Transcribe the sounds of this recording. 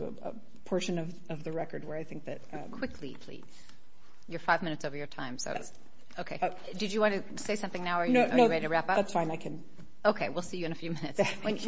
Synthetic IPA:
ə̰ə̰ | pʰɔɹʃɨ̃nʌv | ʌvðɨɹɛkə˞d̚wə˞aɪθɪ̃ŋk̚ðɨt̚ʌkʰw̥ɪkʰlḭpʰl̥ḭz̥ | jə˞faɪvmɪ̃ñɨtsoʊvə˞jə˞tʰãɪ̃mso̰ʊ | oʊkʰeɪ | dɨd͡ʒɨwɑ̃ntɨ | seɪsʌ̃mθɪ̃ŋnaʊə˞jnoʊoɹɛɾiɾɨɹæpʌðætsfãɪ̃naɪkʰɨ̃n | oʊkʰeɪwilˠsijɨɨ̃nɨfjʉmɪ̃nɨtswɨ̃n

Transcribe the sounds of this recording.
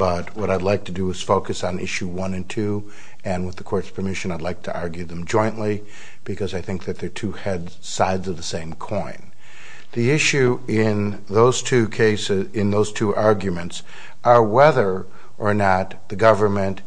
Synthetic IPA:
b̥ʌt̚wʌɾaɪdˡlaɪk̚tʰɨdɨːz̥foʊkɨsn̩ɪ̰ʃʉwʌ̃nɨ̃ntʰʉ | ɨ̃nwəðɨkʰɔɹtspʰə˞mɪʃɨ̃naɪdˡlaɪk̚tʰɨʔɑɹɡjʉðɨ̃md͡ʒɔ̃ɪ̃nʔli | b̥ɨkʰʌzaɪθɪ̃ŋk̚ðɨt̪̚ðə˞tʰʉhɛd | saɪdzʌvðəsẽɪ̃mkʰɔ̃ɪ̃n | ðiɪʃʉɪ̃n | ðoʊz̥tʰʉkʰeɪsɪzɪ̃nðoʊz̥tʰuʔɑɹɡjɨmɨ̃nts | ʔə˞wɛðə˞ | ʔə˞nət̪̚ðɨɡʌvə˞mɨ̃nt

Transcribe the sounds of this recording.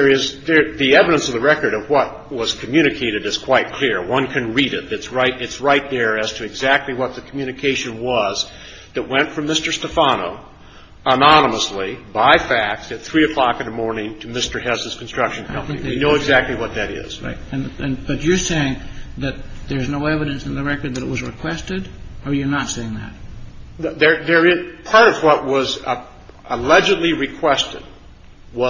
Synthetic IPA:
ðə˞ɪzðə˞ðiɛvɨɾə̃nsʌvðɨɹɛkə˞ɾʌvwʌt̚wʌz̥kʰmjʉñɨkʰeɪɾɨɾɨz̥kʰw̥aɪt̚kʰl̥ɪɹwʌ̃nkʰɨ̃nɹiɾɪt̪̚ðɨtsɹaɪɾɨtsɹaɪt̪̚ðə˞ɨz̥tʰɨɨɡzæk̚tˡliwʌt̪̚ðɨkʰmjʉñɨkʰeɪʃɨ̃nwʌz | ðɨt̚wɛ̃ntfɹʌ̃mːɪstə˞stəfɑno̰ʊ | ənɑnəməslibaɪfæk̚tɨt̪̚θɹiɨkʰl̥ɑkɨ̃nðəmɔɹnɪ̃ŋtʰɨmɪstə˞hɛsɨz̥kʰn̩stɹ̥ʌkʃɨ̃nkɛ̃θɪ̃k̚ðinoʊʊɨɡzæk̚tˡliwʌt̪̚ðɨɾɪ̰z̥ɹa̰ɪt̚ɨ̃nɨ̃nb̥ʌt͡ʃə˞seɪɪ̃ŋðɨt̪̚ðə˞znoʊɛvɨɾɨ̃nsɨ̃n̩ðɨɹɛkə˞d̪̚ðɨɾɨʔ̚wʌzɹɨkʰw̥ɛstɨɾə˞jə˞nətseɪɪ̃ŋðɨ̰t̚ | ðə˞ðə˞ɪpʰɑɹɾʌvwʌt̚wʌz | əlɛd͡ʒɨdˡliɹɨkʰw̥ɛstɨ̰d̚ | wʌ

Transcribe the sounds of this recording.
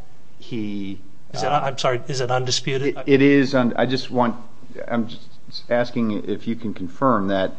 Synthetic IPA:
hi | zɨɾãɪ̃msɑɹiɨzɨɾʌ̃ndɨspjʉɾɨɪɾɪzʌ̃na̰ɪd͡ʒʌst̚wɑ̃n̚ | ã̰ɪ̃md͡ʒʌs | æskɪ̃ŋ | ɪfjɨkʰɨ̃n̩kʰɱfɜ̃˞mðɨt̚

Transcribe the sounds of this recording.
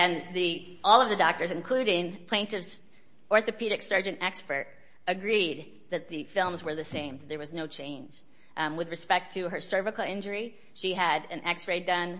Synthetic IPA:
ɨ̃nði | ɔlˠʌvðɨdɔk̚tə˞zɨ̃nkʰl̥ʉɾɪ̃ŋpʰl̥ẽɪ̃ntɨvs | ɔɹθɨpʰiɾɨksɜ˞d͡ʒɨ̃ntɛkspə˞ɾ | ɨɡɹid̪̚ | ðɨt̪̚ðɨfɪlˠmzwə˞ðɨsẽɪ̃mðɨt̪̚ðə˞wʌznoʊt͡ʃʰẽɪ̃nd͡ʒ | wɨðɹɨspɛk̚tʰɨə˞sɜ˞vɨkl̩ˠɪ̃nd͡ʒə˞i | ʃiɨɾɨ̃nʔɛksɹeɪdʌ̃n

